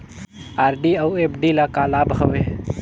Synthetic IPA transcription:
aːɾɖiəwepɖilakalabɦəʋe

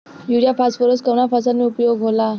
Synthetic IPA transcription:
juɾjapasfəɾoskəʋnafasanːiːupjoɡɦola

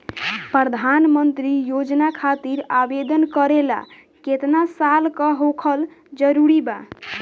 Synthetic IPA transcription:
pɾəd̪ʱanmənt̪ɾijod͡ʒnakʰat̪iɾabed̪ənkəɾela̰ | ket̪nasalkəɦokʰəl | d͡ʒəɾuɾiba

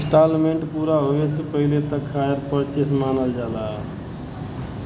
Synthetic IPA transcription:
sʈalmeɳʈpuɾaɦoesepəɦilet̪əkʰaeɾpəɾt͡ʃesmanəld͡ʒala

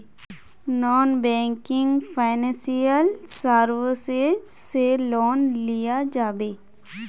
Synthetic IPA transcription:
nɔːnbɛ̃ːŋkɪ̃ŋɡfʰaːɪnɛ̃sijəlsaɾʋəsed͡ʒ | seloːnlɪjad͡ʒaːbeː

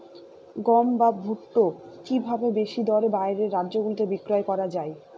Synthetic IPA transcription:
ɡɔmbabʱuʈːokibʱabebeʃid̪ɔɾebaeɾeɾːadːʑoɡult̪ebikɾoekɔɾad͡ʑae

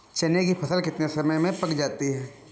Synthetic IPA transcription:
t͡ʃɐnekipʰɐsəlkɪt̪nesɐməjmẽpɐkd͡ʒaːt̪iɦɛː

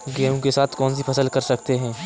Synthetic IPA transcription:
ɡɛːũkesaːt̪ʰkɔːns̬ipʰɐsəlkɐɾsɐkt̪eɦɛ̃ː

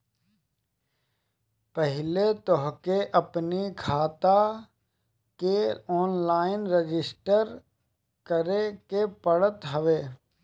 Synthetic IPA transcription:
pəɦɪlet̪ɔɦkeʔəpnikʰaːt̪a | keɔːnlaːɪnɾed͡ʒɪsʈəɾ | kəɾekepəɽət̪ɦəʋeː

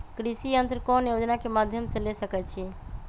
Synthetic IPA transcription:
kɾisijənt̪ɾəkɔnjod͡ʒnakemad̪ʱjəmsẽlesəkɛt͡ʃʰi

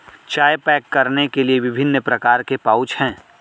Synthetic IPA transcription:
t͡ʃaːjpɛːkːɐɾnekelieʋɪbʱɪnːpɾɐkaːɾkepaːʊt͡ʃhɛ̃ː

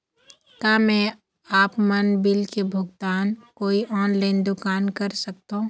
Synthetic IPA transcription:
t̪amɛ̃ | aːpmɐnbɪlkebʱʊɡt̪aːnkoːiʔɔːnlaːɪnd̪ʊkaːnkəɾsək̚t̪õː

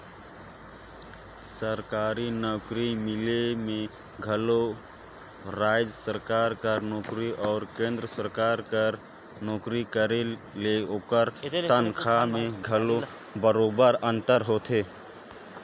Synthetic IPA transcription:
səɾkaːɾinɔːkɾimɪlemẽ | ɡʱəlo | ɾaːɪd͡ʒsəɾkaːɾkənɔːkɾiʔɔːɾkẽːnd̪ɾəsəɾkaːɾə | nɔːkɾikəɾe | leoːkəɾt̪ənkʰamẽɡʱəlo | bəɾoːbəɾə̃nt̪əɾɦoːt̪ʰɦeː

